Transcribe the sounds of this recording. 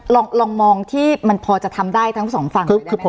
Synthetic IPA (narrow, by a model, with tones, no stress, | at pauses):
lɔː˧ŋlɔː˧ŋmɔː˧ŋt̪ʰiː˥˩ma˧npʰɔː˧t͡ɕa˨˩t̪ʰa˧mdaː˥˩jt̪ʰa˦˥ŋ˩sɔː˩˦ŋfa˧ŋkʰɯː˧kʰɯː˧pʰ